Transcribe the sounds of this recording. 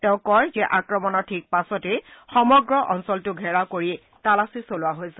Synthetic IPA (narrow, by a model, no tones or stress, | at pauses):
tɛʊ̃kɔjzɛʔakɹɔmɔnɔɹtʰik̚pasɔtexɔmɔɡɹɔʔɔnsɔltʊɡʱɛɹakoɹi | talasisolʊwaɦojsɛ̥